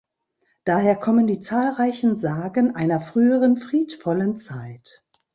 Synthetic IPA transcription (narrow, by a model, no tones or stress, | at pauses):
d̥aːheːɐkʰɔməndiːt͡saːlʁaɪçn̩zaːɡənʔaɪnɐfʁ̥yːəʁənfʁ̥iːtfɔlənt͡saɪt